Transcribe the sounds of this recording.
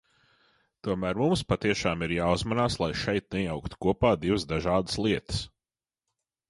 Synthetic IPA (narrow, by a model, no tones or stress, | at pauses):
t̪uɔmæːɾmumspat̪iɛʃaːmiɾjaːuzmanaːslˠajʃɛjt̪̚nɛjawkt̪u̥kuɔpaːd̪ivzd̪aʒaːd̪ə̥slˠiɛt̪ə̥s